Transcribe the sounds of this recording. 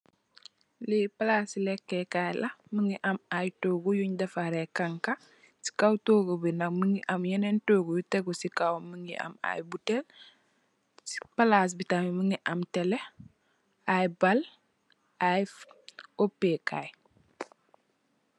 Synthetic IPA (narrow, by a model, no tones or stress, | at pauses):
lipalasilekːekajlʔamiŋiʔamajtoɡujuɲdafaɾekaŋka | si̥kawtoːɡobinakməŋiʔamjenentoːɡujuteɡusikawməŋiʔa̰ma̰jbutel | si̥palas̬bitamimiŋiʔamtele | ajibal | ajifopːekaj